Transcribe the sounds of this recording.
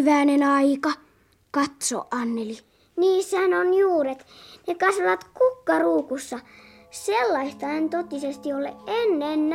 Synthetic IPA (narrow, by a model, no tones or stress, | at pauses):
ʋæːnenɑikɑ | kɑt̪so̰ʔʔɑnːeli | niːsːæhænonjuːret̪nekɑsʋɑʋɑt̪kukːɑruːkusːɑ | selːɑist̪ɑɑint̪ot̪ːisest̪iolːeʔʔenːenː